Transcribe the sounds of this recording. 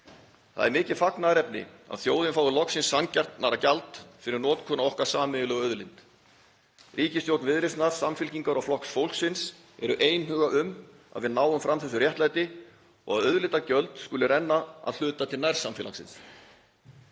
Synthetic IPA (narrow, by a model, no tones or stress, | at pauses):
θa̰ðɛɾmɪːcɪð̥faknaɾɛpnɪ̰a̰ðθjoːwðɪnfaːwðʏlɔksɪnsːancar̥t̪naɾacalt̪fɪɾɪɾnɔːt̪kʰɔːnaɔhkaɾ̥saːmɪʏlœɣœðlɪnt̪ | riːcɪst̪jowt̪nvɪðɾɪsnaɾ̥samfɪlciŋkaɾawflɔhksfowl̥ksɪns | ɛɾʏʔeːjnhʏːɣaʔʏm | a̰ðvɪðnaːwʏmfɾamθɛs̬ʏrjɛht̪lajt̪ɪ | ɔ̰ɣaðœðlɪt̪acœlt̪skʏlɪrɛnːaa̰ðl̥ʏːt̪at̪ʰɪlnajɾ̥samfɪːla̰ŋsɪ̰ns